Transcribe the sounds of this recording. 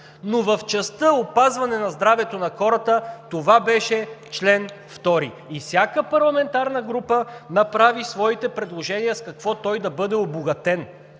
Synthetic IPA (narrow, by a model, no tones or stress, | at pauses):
novɐft͡ʃɐst̪əopazvɐnɛnɐzd̪ɾavɛt̪onɐxɔɾət̪ət̪ovabɛʃɛt͡ʃlɛnft̪ɔɾḭ | ifsʲjakəpɐɾlˠɐmɛnt̪aɾnəɡɾupənɐpɾavisvɔit̪ɛpɾɛd̪lˠoʒɛnijəskɐkvɔt̪ɔjd̪ɐbɤd̪ɛoboɡɐt̪ɛn